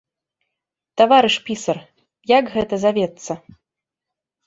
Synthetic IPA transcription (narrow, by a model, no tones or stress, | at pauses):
t̪avaɾɨʂpʲisɐr | jakɣɛt̪ɐzavʲɛt̪sːɐ